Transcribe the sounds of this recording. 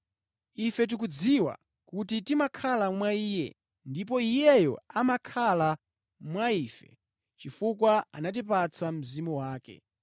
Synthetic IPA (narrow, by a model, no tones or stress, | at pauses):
ifɛt̬ik̬ud͡ziwa̰ | kutitimakʰalamwaiːjɛ̰ | ndip̬ɔijɛjɔ̰amakʰala | mwaiːfɛ̰ | t͡ʃifukwaa̰nat̬ipat͡sʰam̩zimuwaːkɛ̰